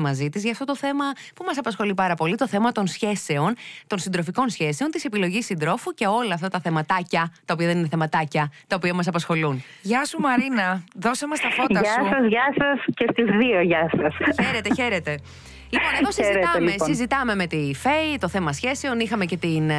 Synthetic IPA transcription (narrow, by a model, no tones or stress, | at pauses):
mɐzit̪izʝɐft̪o̞t̪oθe̞mɐ | pumɐsɐpɐsxo̞lipɐɾɐpo̞lit̪o̞θe̞mɐt̪o̞nsçe̞se̞o̞nt̪o̞nsind̪ɾo̞fiko̞nsçe̞se̞o̞nt̪ise̞pilo̞ʝisːind̪ɾo̞fuce̞o̞lɐːft̪ɐt̪ɐθe̞mɐt̪ɐcɐt̪ɐopiɐðe̞nineθe̞mɐt̪ɐcɐt̪ɐopiɐmɐsɐpɐsxo̞lun | ʝɐsumɐɾinɐðo̞sɐmɐst̪ɐfoɐʝsɐsɐzʝɐsɐscest̪izðioʝɐsɐsçeɾet̪eçe̞ɾet̪e̞ | liponeðosizit̪ɐmessizit̪ɐme̞me̞t̪ifeit̪o̞θe̞mɐsçe̞se̞o̞nixɐmece̞t̪in